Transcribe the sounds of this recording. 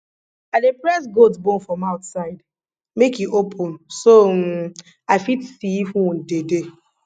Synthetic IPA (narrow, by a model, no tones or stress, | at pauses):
adepɾɛsɡoldzbõnfɹɔmaʊtsaɪd | mekiʔopʰʊ̃nsom̩ | aɪfitsiifũn̩dede